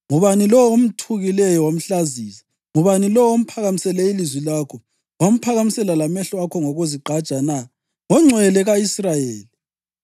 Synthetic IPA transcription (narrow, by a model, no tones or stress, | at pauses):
ŋuβanilɔwom̩tʰuɣilɛjɔwam̩ɬaziːsḁ | ŋuβanilɔwom̩pʰaɣamisɛlɛilizwilaːkʰɔ | wam̩pʰaɣamisɛlalamɛɬɔakʰɔŋɔɣuziǃʱḁt͡ʃʼana | ŋɔŋ͡ǀʱwɛlɛɣaisrajeːli